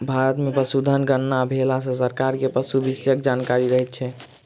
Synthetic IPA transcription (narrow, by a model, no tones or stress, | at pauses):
bʱaɾət̪mepəsud̪ʱənɡənnabʱelas̬ə̃s̬əɾkaɾkepəsubisjəkd͡ʒankaɾiɾəɦɛt̪̚t͡ʃʰɛ